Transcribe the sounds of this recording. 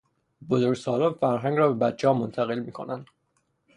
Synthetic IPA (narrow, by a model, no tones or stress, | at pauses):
bozoɾɡsɒːlonfæɾɦæŋɡɾɒːbe̞bæt̪t͡ʃʰːeɒːmont̪ʰæɣe̞lmiːkʰonænd̪̥